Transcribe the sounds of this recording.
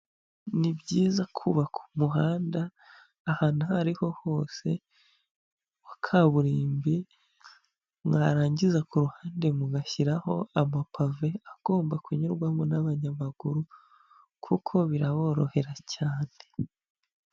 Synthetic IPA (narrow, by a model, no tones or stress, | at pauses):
nibɟiːzakʰuβakʰu̥muɦaːndaː | haːnuhaɾiho̞ho̞ːse̞ | wakʰaβuɾiːmbi | mŋaːɾaːɲɟizakuɾuhaːnde̞muɡaçiɾaho̞̰amapʰave̞aɡ̥o̞ːmbakuɲuɾɡwamonaβaɲaβaɡ̥uɾu | kʰukʰo̞βiɾaβo̞ːɾo̞he̞ɾacʰaːne̞